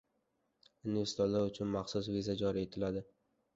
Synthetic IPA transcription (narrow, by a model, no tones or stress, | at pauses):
unve̞ɾsɪt̪ʰɒlːaɾʊt͡ʃʰʊnmaχsʊsvizad͡ʒɒɾie̞t̪ʰɪlad̪ɪ